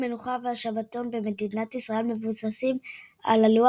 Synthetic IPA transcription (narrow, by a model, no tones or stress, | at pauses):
me̞nuχaveaʃavato̞nbe̞me̞dinatisʁae̞lme̞vusasim | a̰lalua